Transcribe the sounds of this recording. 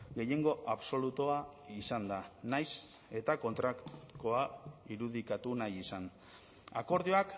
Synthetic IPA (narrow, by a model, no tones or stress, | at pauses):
ɡe̞je̞ŋɡo̞ʔaβso̞lut̪oaisand̪anajs | e̞t̪ako̞nt̪ɾakkoaiɾuð̞ikat̪unajisan | ako̞ɾðioak